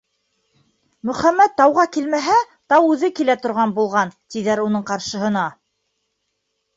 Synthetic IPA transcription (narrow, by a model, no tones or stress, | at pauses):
mɵ̆χæmːæt̪ːɑwʁɑkilmæɦæ | t̪ɑwʉðɘkilæt̪ŏɾʁɑnbulˠʁɑnt̪iðæɾunɤɴqɑɾʃɤ̆ɦɤ̆nɑ